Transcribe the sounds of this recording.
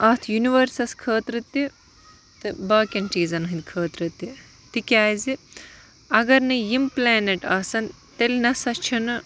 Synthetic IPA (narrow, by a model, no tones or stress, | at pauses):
ɐːt̪ʰjuniʋɐɾsɐskʰəːt̪ɾɨt̪ːi | t̪ɨbaːkʲɐnʈiːzɐnɐɦɨnd̪kʰəːt̪ɾɨt̪ːi | t̪ikʲaːjzi | ɐɡɐɾnɨjimplʲaːneʈaːsɐn | t̪elʲnɐsɐt͡ʃʰɐnɐ